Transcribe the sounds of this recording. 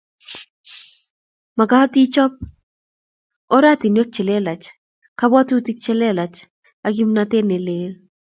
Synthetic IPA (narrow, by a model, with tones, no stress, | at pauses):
ma˨ɡa˦ɔ˦ti˦t͡ʃɔ˦p̚ | o˦ɾa˦ti˨nwe˦k̚t͡ʃɛ˨le˦la˨t͡ʃ | ka˦bɔ˦tu˦ti˦k̚t͡ʃɛ˦lɛ˦la˨t͡ʃ | a˦ɡi˦mna˦te˦ne˨le˦l